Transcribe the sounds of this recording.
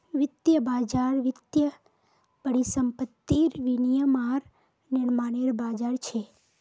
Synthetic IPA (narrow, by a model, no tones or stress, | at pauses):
ʋɪt̪jəbaːd͡ʒaɾʋɪt̪jə | b̥əɽisəmpət̪ːiɾʋinijəmaɾ | nɪɾmaːneɾbaːd͡ʒaɾt͡ʃʰe